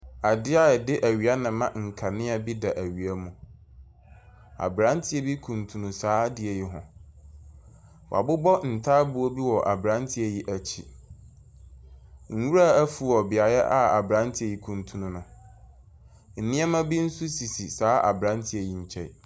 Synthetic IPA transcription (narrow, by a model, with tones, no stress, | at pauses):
a˨dɪ˦a˦ɛ˨dɪ˦ʔæ˨ɥi˨a˦nɪ̃˨mã˦˨ŋ̩˨kʰa˨nɪ̃˦a˨bi˦da˨ʔæ˨ɥi˨a˦mũ˨ | a̰˨bɾã˦ntʰɪ˦ɛ˨˦bi˦kʰũ˨ntʰũ˨nũ˨saː˦dɪ˦ɛ˨ji˦ɦʊ̰̃˨ | wɔ˨a̰˨bʊ˦bɔ˦n̩˨tʰaː˦bu˦o˦bi˦wɔ˨ʔa˨bɾã˦ntʰɪ˦ɛ˨ji˦ʔæ˨t͡ɕʰi˦ | ŋ̩˦˨wu˦ɾa˦˨æ˦fu˨ɔ˨bɪ˨a˨jɛ̰˦ʔa˦a˨bɾã˦ntʰɪ˦ɛ˨ji˦kʰũ˨ntʰũ˦nũ˦nʊ̃˨ | n̩˨nĩ˦a˦mã˦bi˦n̩˦su˦si˨si˨saː˨˦ʔa̰˨bɾã˦ntʰɪ˦æ˨ji˦ɲ̩˨t͡ɕʰɛ̰˦˨